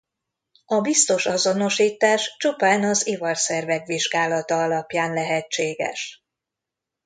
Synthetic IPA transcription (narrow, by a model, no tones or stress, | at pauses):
ɒbist̪o̞ʃɒzo̞no̞ʃiːt̪aːʃt͡ʃupaːnɒzivɒrsɛrvɛɡʋiʒɡaːlɒt̪ɒɒlɒpjaːnlɛɦɛt͡ʃt͡ʃːeːɡɛ̰ʃ